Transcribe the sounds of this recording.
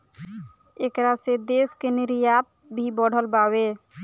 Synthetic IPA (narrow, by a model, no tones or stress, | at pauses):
eːkɾased̪eskenɪɾjap̚ | bʱibəɽ̤əlbawe